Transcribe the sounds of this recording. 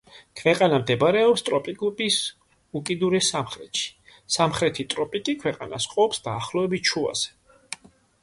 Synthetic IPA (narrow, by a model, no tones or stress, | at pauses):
kʰvɛqʼanamd̪ɛbɾɛɔpst̪ʼɾɔpʼiɡupʼis | ukʼid̪uɾɛsamχɾɛt̪ʃi̥samχɾɛt̪ʰit̪ʼɾɔpʼikʼikʰwɛqʼana̰sqʼɔpsd̪̥aːχlˠɔɛbit͡ʃʰua̰z̥ɛ̥